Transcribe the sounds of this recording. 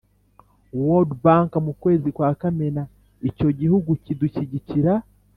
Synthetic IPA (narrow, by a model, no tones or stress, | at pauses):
wodbaːŋkamukwe̞ːzikwaːkamena | ico̞ɟihuɡuciduciɟiciɾa